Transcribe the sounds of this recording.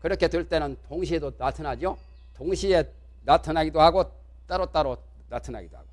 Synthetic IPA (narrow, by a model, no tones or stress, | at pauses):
kɯɾʌkʰe̞dweɭt͈e̞nɯntoŋɕ̬ʰiedonatʰanad͡ʑo | toŋɕʰie̞ | natʰanaɡidohaɡo | t͈aɾot͈aɾo | natʰana̰ɡidoha̰ɡ̥o